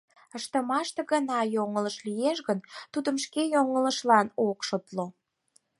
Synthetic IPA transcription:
əʃt̪əmɑʃt̪ə̆ɣənɑjoŋələʃlijeʃɣənt̪ud̪əmʃkejoŋələʃlɑnokʃot̪lo

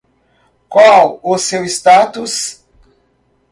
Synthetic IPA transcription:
kwawʊsewist̪at̪us

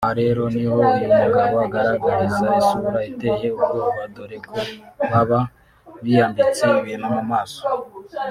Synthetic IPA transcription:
haɾe̞ɾo̞niwo̞inaɡaɡoaɡaɾaɡaɾizaisuβuɾaitehe̞ukouβadoɾekʰoβaβa | βijaːndit͡sewijenomumaːso̥

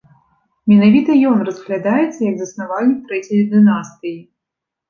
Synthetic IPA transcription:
mʲɛnavʲit̪ɐjɔnrɐzɣlʲad̪ajɛt̪sːɐjɐɡzɐsnavalʲit̪ɾɛt͡sʲɛjɐd̪ɨnast̪ɨji

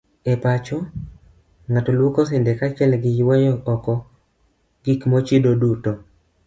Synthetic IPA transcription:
epat͡ʃɔ | ŋatolwokɔsɪndɛkat͡ʃɛlɡɪjwɔɲɔʔɔkɔ | ɡ̥ikmot͡ʃidoduto

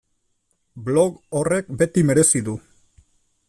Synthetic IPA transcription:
blo̞ɣore̞k̚be̞t̪ime̞ɾe̞siðu

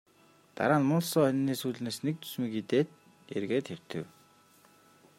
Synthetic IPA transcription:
t̪a̰ɾaːnmʊnɮsɔːœnʲniːsuːɮneːsnek̚t̪ʰu̥smĭkit̪eːt̪ | ḛrɣeːt̪xew̥t̪ɘ̆w

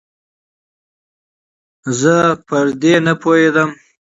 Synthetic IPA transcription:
zəpəɾd̪enapʰohed̪əm

